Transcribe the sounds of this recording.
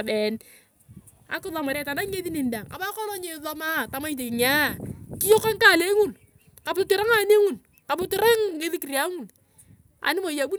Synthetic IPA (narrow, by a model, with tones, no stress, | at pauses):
be˨n | a̰˨kɪ˦ðɔ˨ma˨ɾɛ˨˦ta˨na˦ɲe˦ði˦ni˨n˦da˨ŋa̰˨ba˦kɔ˦nɔ˦ɲe˨ðɔ˦ma˦ta˨ma˦i˦t̬e˨kɪ˨ŋa˦˨kɪ˦jo˦ka˦ŋka˦˨le˦ŋu˨n | ka˨ptɪ˦ɾa˦ŋa˨˦ne˦ŋu˨n | ka˨ptɪ˦ɾa˦ŋːe˦ði˦ki˨ɾja˦ŋu˨n | a̰˨nɪ˦mo˨ja˨bu˦